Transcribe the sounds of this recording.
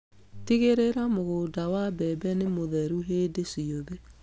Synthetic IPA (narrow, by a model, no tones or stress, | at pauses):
tiɣeɾeɾamoɣoːdawabɛbɛnemoðɛɾuɦeːdesioðe